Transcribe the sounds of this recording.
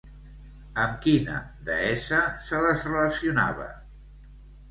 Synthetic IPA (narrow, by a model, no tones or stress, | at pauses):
əmkinə̰ðəɛsəsələzrələsiuna̰βə̰